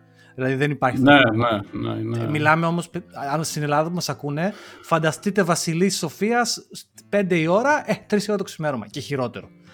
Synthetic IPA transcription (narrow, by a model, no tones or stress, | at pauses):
ðilɐðiðenipɐɾçinenenḛnmilɐme̞o̞mo̞sɐnst̪inelɐðɐpumɐsɐkune̞fɐnd̪ɐst̪it̪e̞vɐsiliso̞fiɐspe̞nd̪eio̞ɾɐʔet̪ɾisoɾɐt̪osimeɾomɐ̰ceçiɾo̞t̪e̞ɾo̞